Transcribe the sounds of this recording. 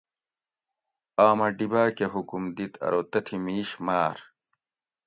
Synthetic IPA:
aːmɐɖibaːkeɦukumd̪it̪ʰɐ̰ɾoːt̪ɐt̪ʰimiːɕmaːɾ

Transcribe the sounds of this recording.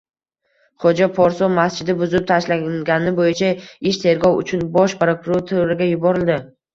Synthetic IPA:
χod͡ʒapʰɒɾsɒmast͡ʃɪd̪ɪbʊzɪp̚t̪ʰaʃlaɡʲanɪbojɪt͡ʃʰaɪʃt̪ʰe̞ɾɡʲɒwʊ̰t͡ʃʰʊnbɒʃpɾokʰʊɾoɾt̪ʰʊɾɪɡʲajʊbɒɾɪld̪ɪ

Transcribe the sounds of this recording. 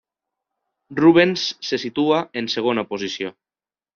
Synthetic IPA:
ruβ̞ensːesit̪uaenseɣ̞onapozisjo

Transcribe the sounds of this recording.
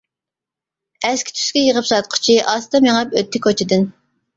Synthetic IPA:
ɛskʲʰi̥t̪ʰy̥skʲɛjəʁəpsɑt̪̚qʰʊ̥t͡ʃʰiʔɑst̪ɑmjeŋɑpøt̪ʰːɪkʰot͡ʃʰɪd̪ɪn

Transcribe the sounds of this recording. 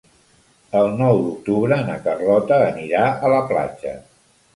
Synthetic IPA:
əlˠnɔwd̪uk̚t̪uβɾəːnə̰kərlɔt̪əːniɾaʔələpla̰d͡ʒə̰

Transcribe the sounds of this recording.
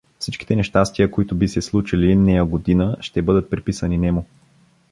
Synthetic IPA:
fsit͡ʃki̥t̪ɛnɛʃt̪ast̪ijəkoit̪ʊbisɛslˠut͡ʃilinɛjəɡod̪inəʃt̪ɛbɤd̪ət̪̚pɾipisəninɛmʊ

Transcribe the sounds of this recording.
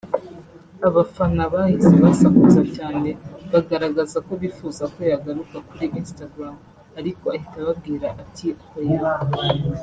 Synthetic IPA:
aβafanaβahizeβasakuzacaːne̞βaɡaɾaɡazako̞βifuːzako̞jaɡaɾukakuɾiʔiːnstaɡɾam | aɾiko̞ahitaβab̚ɡiːɾaʔatʰiahojaɾaɦa

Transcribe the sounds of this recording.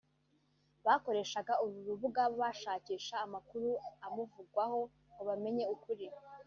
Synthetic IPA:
βaːko̞ɾe̞ːʃaɡauɾuɾuβuɡaβoβaʃaːciːʃaːmakuɾuamuvuɡwaho̞ | oβame̞ɲe̞ukuɾi

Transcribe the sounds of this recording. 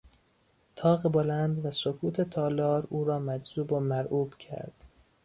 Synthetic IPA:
t̪ʰɒːɣebolænd̪væsokʰuːt̪ʰe̞t̪ʰɒːlɒːɾuːɾɒːmæd͡ʒzuːbomæɾʔuːb̥cʰæ̰ɾd̪̥

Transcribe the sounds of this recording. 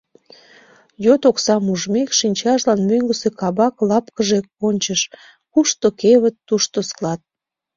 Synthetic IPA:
jøt̪oksɑmuʒmekʃinʲt͡ɕɑʃlɑnmøŋɡəsekɑβɑklɑpkəʒekonʲt͡ɕəʃ | kuʃt̪okeβət̪ːuʃt̪osklɑt̪̚

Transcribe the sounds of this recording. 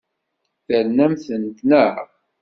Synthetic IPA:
θəɾnæmθənt̪nəʕ

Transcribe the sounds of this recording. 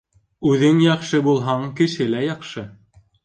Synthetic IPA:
ʉðɘŋjɑqʃɤbulˠɦɑɴkɘ̆ʃɘlæjɑqʃɤ

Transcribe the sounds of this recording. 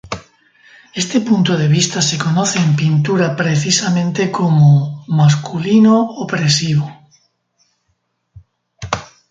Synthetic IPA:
est̪epunt̪oðeβ̞ist̪asekonoθeːmpint̪uɾapɾeθisamẽnt̪ekomomas̬kulinoopɾesiβo

